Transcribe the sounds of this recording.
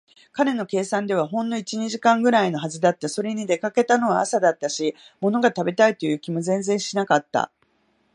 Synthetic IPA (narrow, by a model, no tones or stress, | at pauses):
kaɾe̞no̞ke̞ːsãnd̪e̞β̞aɦõ̞nd̪o̞it͡ɕiɲ̟iʑikãŋɡɯ̟ɾaino̞ɦaʑid̪at̪ːaso̞ɾe̞ɲ̟id̪e̞kake̞t̪ano̞βaːsad̪at̪ːaɕi | mo̞no̞ɡat̪abe̞t̪ait̪o̞jɯ̟ːkʲimo̞zẽ̞nzẽ̞ɰ̃ɕinakat̪ːa̰